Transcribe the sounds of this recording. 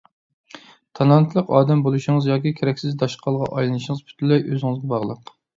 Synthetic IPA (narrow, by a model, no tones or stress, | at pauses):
t̪ʰɑlˠɑnt̪ʰlˠəqɑːd̪ɛmbolˠuʃɪŋɨzjɑːkʲikʲʰeɾɛkʲsɪzd̪ɑʃqʰɑlˠʁɑ̰ʔɑjlˠɨnɨʃɪŋəzpʰy̥t̪ʰlːɛjʔøzɪŋɨzɡʲɛbɑʁlˠə̰q